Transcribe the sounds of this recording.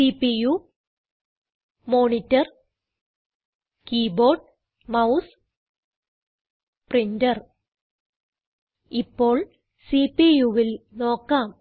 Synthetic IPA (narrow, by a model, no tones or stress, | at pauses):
sipiju | moːnitːɐr | kiːbo̞ːɖ̚ | mɐws | prindɐr | ipːo̞ːɭ | siːpijuʋilno̞ːkːaːm